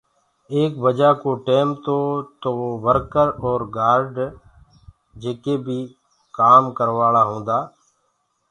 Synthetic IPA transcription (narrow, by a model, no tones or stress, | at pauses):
eːkbəd͡ʒaːkoːʈeːmt̪oːt̪oːʋəɾkəɾɔːɾɡaːɾɖ | d͡ʒeːkeːbʱiː | kaːmkəɾʋaːlaːɦõːnd̪aː